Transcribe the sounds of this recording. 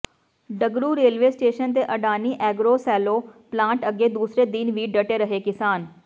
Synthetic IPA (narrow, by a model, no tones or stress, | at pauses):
ɖəɡɾuːɾeːlʋeːsʈeːʃənt̪̬eːʔəɖaːniːʔɛːɡɾoːsɛːloːplãːʈəɡeːd̪uːsɾeːd̪ɪnʋiːɖəʈeːɾəɦeːkɪsaːn